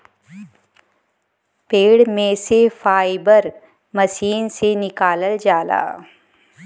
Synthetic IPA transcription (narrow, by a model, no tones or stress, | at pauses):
peːɽmẽsefaːɪbəɾ | mɐʃiːnsenɪkaːləld͡ʒaːla̰ː